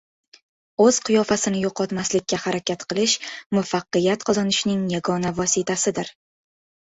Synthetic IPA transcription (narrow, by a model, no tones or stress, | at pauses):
ɵz̥qʰʊjɒfasɪnɪjoqʰɒt̪maslɪk̚ʲːahaɾakʲat̪qɨlˠɪʃmʊfaqːɨjat̪qʰɒzɒnɪʃnɪŋjaɡɒnavɒsɪt̪ʰasɪd̪ɪɾ